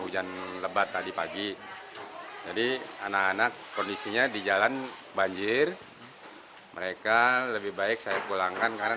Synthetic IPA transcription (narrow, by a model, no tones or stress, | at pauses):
ud͡ʒanləbat̪ːadipaɡi | d͡ʒadianakanakːɔndisiɲadid͡ʒalanbaɲd͡ʒɪr | məɾekaləbɪhbaɪk̚sajakulaŋkankaɾa